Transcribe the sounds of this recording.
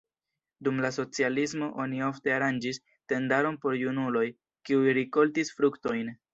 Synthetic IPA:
dumlaso̞t͡sialismo̞ʔo̞nio̞fte̞aɾand͡ʒis | te̞ndaɾo̞npo̞ɾjunulo̞j | kiujɾiko̞ltisfɾukto̞jn

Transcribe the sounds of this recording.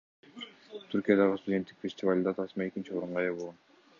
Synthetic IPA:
t̪ʰyɾkʲijad̪ɑʁəst̪ʊdʲe̞nt̪ːi̥kfʲesʲtʲɪvalʲd̪ɑt̪ʰɑsmee̞kʲint͡ʃio̞ɾuɴʁɑjɑboʁon

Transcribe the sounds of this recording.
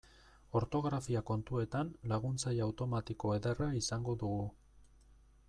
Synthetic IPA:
o̞ɾt̪o̞ɣɾafiako̞nt̪ue̞t̪anlaɣ̞unt͡sajawt̪o̞mat̪iko̞e̞ðeraisaŋɡo̞ðuɣu

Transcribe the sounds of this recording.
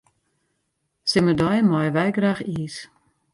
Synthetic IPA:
sɪmədɔjmɔjʋɛjɡraːxiːs

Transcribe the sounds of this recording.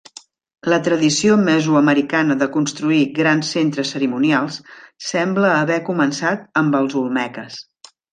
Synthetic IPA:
lət̪ɾəðisioməzuəməɾikanəðəkunst̪ɾuiɣɾansːent̪ɾəsːəɾimunjalˠssɛmbləːβɛkumənsat̪̚əmbəlˠzulˠmɛkəs

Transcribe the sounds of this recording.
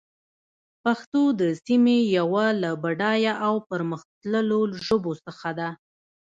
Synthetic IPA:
paxt̪od̪əsimejawalabaɖɑjaʔawpəɾməxt̪ləloʒobosəxad̪a

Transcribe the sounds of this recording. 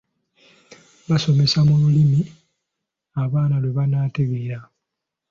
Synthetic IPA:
βaso̞me̞samululimi | aβaːnalweβanaːteɡeɾa

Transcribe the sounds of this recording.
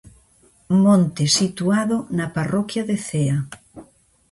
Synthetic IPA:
mõnt̪esit̪uaðonaparɔkjaðeθea

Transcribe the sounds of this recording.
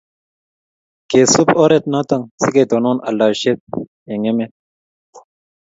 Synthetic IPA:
kesupoɾet̪̚nãːt̪ɐŋsiked̪onoːnɐ̰lːaːɕet̪̚ | eŋeme

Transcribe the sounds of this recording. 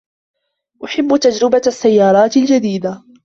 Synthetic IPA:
ʔʊħɪbːʊt̪ad͡ʒɾɪbaasːajːɑːɾˤɑːt̪ɪld͡ʒad̪iːd̪a

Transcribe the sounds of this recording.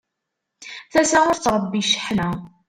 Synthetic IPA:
θæsaʊɾt͡sːɾˤəbːiʃə̥ħnæ

